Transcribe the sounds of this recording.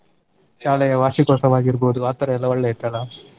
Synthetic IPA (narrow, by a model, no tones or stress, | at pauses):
ʃaːlɛjɐʋaːʃikɔsɐʋaːɡiɾboːd̪uaːt̪ɐɾɛɛlːɐɔɭːeit̪alɐ